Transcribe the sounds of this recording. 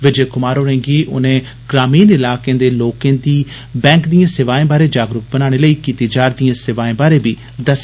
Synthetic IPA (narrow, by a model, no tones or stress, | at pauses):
ʋɪd͡ʒeːkʊmaːɾoːɾɛ̃ːŋɡiːʔʊ̰nẽː | ɡ̥ɾaːmiːnɪlaːkẽːd̪eːloːkẽːd̪iː | bɛ̃ːŋkd̪ijãːsɪʋaːẽːbaːɾeːd͡ʒaːɡɾʊk̚bənãːɽ̃eːləiːkiːt̪eːd͡ʒaːɾd̪ijãːsɪʋaːẽːbaːɾeːbiː | d̪əs